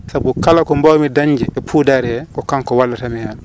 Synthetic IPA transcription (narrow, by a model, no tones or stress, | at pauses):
sabukalakɔmbawmidaɲːd͡ʒɛʔɛpʰuːdaɾɛkɔkaŋkɔwalːatamɛjan